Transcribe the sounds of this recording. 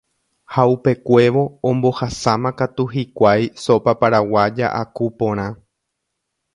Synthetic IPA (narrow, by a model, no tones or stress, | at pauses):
haupe̞kʷe̞ʋo̞õmbo̞hasãmãkat̪uɦikʷajsopapaɾawad͡ʒa̰ʔakupõ̞ɾ̃ã